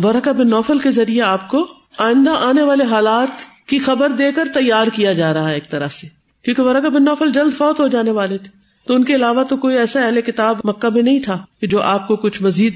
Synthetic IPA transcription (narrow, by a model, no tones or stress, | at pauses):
ʋɐɾəkabɪnːɔːfəlkezɐɾieaːp̚ko | aːɪ̃nd̪aʔaːneʋaːleɦaːlaːt̪ | kixɐbəɾd̪eːkəɾt̪ɐjːaːɾkijad͡ʒaːɾɐɦaɦɛeːk̚t̪ɐɾəse | kjõːkeʋɐɾəkabɪnːɔːfəld͡ʒɐld̪fɔːt̪ɦod͡ʒaːneʋaːlet̪ʰe̥ | t̪oʊnkeɪlaːʋat̪okoːiɛːsaɛɦlekɪt̪aːbmɐkːabʱinɐɦĩt̪ʰaːked͡ʒoːʔaːp̚kokʊt͡ʃʰmɐziːd̪̚